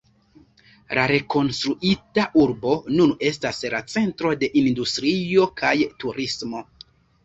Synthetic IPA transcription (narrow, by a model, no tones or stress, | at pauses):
lʔaɾe̞ko̞nstɾuʔitaʔuɾbo̞nune̞stasla̰t͡se̞ntɾo̞de̞ʔindustɾio̞kʰajtuɾismo̞